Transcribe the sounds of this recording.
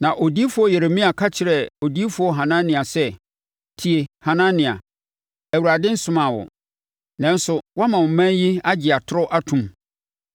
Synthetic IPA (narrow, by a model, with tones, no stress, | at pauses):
nã˨ʔo˨di˦e˦fʊ˦ɔ˦jɛ˨ɾe˨mĩ˦a˨kʰa˦t͡ɕʰɪ˨ɾɛ˨o˨di˦e˦fʊ˦ɔ˦ɦã˨nã˦n˦nɪ̃˨a˨sɛ˦ | tʰi˨e˨hã˨nã˦nɪ̃˨a̰˨ | æ˨wu˨ɾa˨dɪ̃˦n̩˦sʊ̃˦mã˨wɔ̰˨ | nã˦n˦sʊ˨wa˦mã˨wmã˦nji˦a˦d͡ʑɪ˨a˨tʰʊ˦ɾɔ˦ʔa˦tʰũ˨m